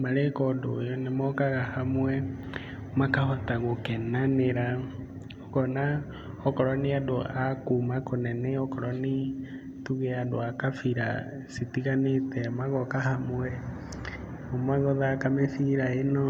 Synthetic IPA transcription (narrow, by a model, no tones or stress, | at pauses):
maɾɛkɔdo̰jɔnemɔkaɣahamwɛ | omakahɔtaɣokɛnaneɾa | ɔkɔna | ɔkɔɾɔniadoʔakumakonɛnɛɔkɔɾɔni | tuɣeadoakafiɾa̰ | sitiɣanetɛmaɣɔkahamwɛ | omaɣɔðakameθiɾaenɔ